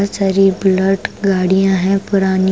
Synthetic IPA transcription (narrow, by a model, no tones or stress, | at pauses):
səɾibləʈɡaːɽijãɦɛ̃pʊɾaːni